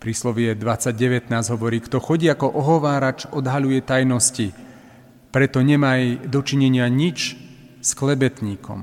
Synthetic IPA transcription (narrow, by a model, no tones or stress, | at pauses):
pɾiːslɔʋɪɛd̪ʋat͡sːaɟɟɛʋɛt̪naːzɟɦɔʋɔɾiːkt̪ɔxɔɟiːakɔʔɔɦɔʋaːɾat͡ʃɔd̪ɦaʎujɛt̪ajnɔsci | pɾɛt̪ɔɲɛmajd̪ɔt͡ʃiɲɛɲɪaɲit͡ʃ | sklɛbɛt̪ɲiːkɔ̰m